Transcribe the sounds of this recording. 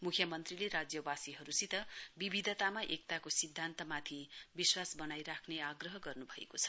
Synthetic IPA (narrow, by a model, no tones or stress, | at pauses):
mukʰjʌmʌnt̪rileɾad͡zjʌbasiɦʌɾusit̪ʌbibʱid̪ʱʌt̪amaʔek̚t̪akosid̪ʱːant̪ʌmat̪ʰibiswasbʌnajɾakʰneaɡrʌɦʌɡʌrnubʱʌḛkot͡sʰʌ̥